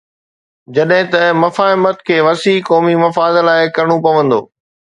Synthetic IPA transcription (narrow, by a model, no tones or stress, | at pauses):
d͡ʑɐɗɦɪ̃t̪ɐmɐfaːɪmət̪kʰeːʋɐsiːkɔːmimɐfaːd̪laːɪkɐɾɽ̃opɐʋə̃nd̪o̰ː